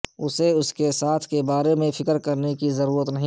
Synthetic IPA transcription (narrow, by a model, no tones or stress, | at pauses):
ʊseʊskesaːt̪ʰkebaːɾemẽfʰɪkəɾkɐɾnekizɐɾuːɾət̪nɐɦĩ